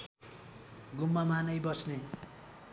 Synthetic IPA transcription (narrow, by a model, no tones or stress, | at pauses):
ɡumːamanʌjbʌsne